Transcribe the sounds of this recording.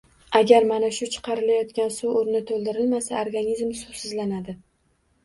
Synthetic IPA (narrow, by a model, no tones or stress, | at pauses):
aɡʲaɾmanaʃʊt͡ʃʰɨ̥qʰɑɾɪlajɒt̪kʲansuoɾnɪt̪ʰolˠd̪ɪɾɪlmasa̰oɾɡanʲizmsusɪzlanad̪ɪ